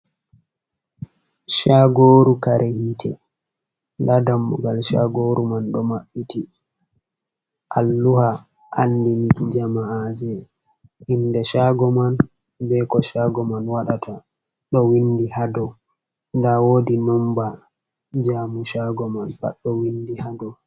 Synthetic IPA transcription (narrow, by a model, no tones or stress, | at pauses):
ʃaɡoːɾukaɾʔehitʰɛ̰ | ndadamːuɡalʃaɡoɾumanɗɔmaɓːiti | ʔalːuha | ʔa̰ndinikid͡ʒamaad͡ʒɛ | ʔindɛʃaɡɔman | bɛkɔʃaɡɔmanwaɗatʰa | ɗɔwindihadɔ | ndawoːdinɔmba | d͡ʒamuʃaɡɔmanba̰ɗːɔwindihadɔ